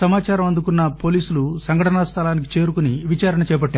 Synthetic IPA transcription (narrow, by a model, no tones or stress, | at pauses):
sɐmaːt͡ʃaːɾɐmɐnd̪ukunːɐpo̞ːliːsulusɐŋɡʱɐʈɐnɐst̪ʰɐlaːnik̬i̥t͡ʃe̞ːɾukuniʋit͡ʃaːɾɐɳɐt͡ʃɛːjpɐʈːaː